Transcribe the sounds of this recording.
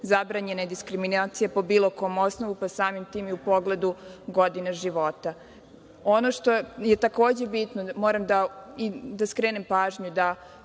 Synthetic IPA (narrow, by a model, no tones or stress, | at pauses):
zabɾaɲe̞ned̪iskɾiminaːt̪sijepo̞biːlˠo̞ko̞jomo̞snoʋupasaːmimt̪iːmiupo̞ɡle̞d̪uɡod̪ineʒiʋo̞t̪a | onoʃt̪oje̞t̪ako̞ːd͡ʑe̞bit̪nomoɾamd̪aid̪askɾeːnempaːʒɲud̪a